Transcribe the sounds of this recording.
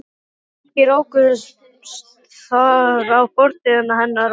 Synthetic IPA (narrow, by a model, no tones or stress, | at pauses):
cɪɾoːwkʏs | t̪ | θaɾawpɔɾt̪ɪðanːaɦɛnːaɾ